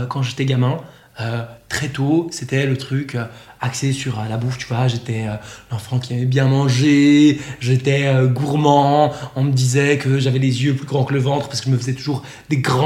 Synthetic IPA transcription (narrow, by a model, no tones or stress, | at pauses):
kɑ̃ʒet̪ɛɡamɛ̃ | øt̪χɛt̪oset̪ɛlət̪χykʲøaksesyʁølabuft̪yvwaʒet̪ɛølɑ̃fɑ̃kʲiɛmɛbjɛ̃mɑ̃ʒeʒet̪ɛøɡuʁmɑ̃ɔ̃məd̪izɛkəʒavɛlezjøplyɡʁɑ̃kələvɑ̃t̪χəpaʁsəkəʒəməfəzɛt̪uʒuʁ | d̪eɡʁɑ̃